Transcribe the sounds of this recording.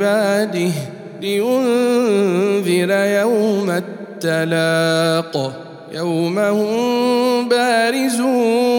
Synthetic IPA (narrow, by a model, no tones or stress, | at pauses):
baːd̪ɪh | lɪjʊn | ðɪɾajawmat̪ːalaːq | jawmahʊmbaːɾɪzuː